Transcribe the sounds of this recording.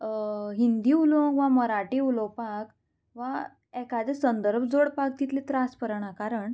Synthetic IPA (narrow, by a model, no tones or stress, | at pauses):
ɦind̪iːulõŋɡʋaməɾaʈiːulopak | ʋa | ɛkad̪esənd̪əɾbʱd͡zoɽpak̚t̪it̪let̪ɾaspəɾɳakaɾəɳ